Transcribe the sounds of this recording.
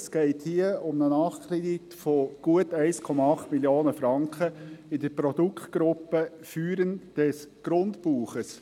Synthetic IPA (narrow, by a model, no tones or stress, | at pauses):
sɡ̥ɛɪthiəʊmnənɑːχkʰɾɛditfoɡ̥uətæɪskʰɔmɑɑχtmiljoːnəfɾɑŋkχəɪdəɾpɾɔd̥ukʰtɡ̥ɾʊpːə | fyːɾənd̥ɛsɡ̥ɾʊntpuːχəs